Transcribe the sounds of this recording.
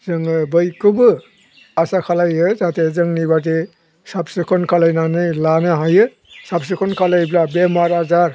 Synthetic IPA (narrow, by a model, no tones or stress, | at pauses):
zɯŋɯbɯjkʰubɯ | asakʰalajɯzatezɯŋnibat̬e | sapsɯkʰɔnkʰalajnanɯjlanɯɦajɯ | sap̚sɯkʰɔnkʰalajblabemaɾazaɾ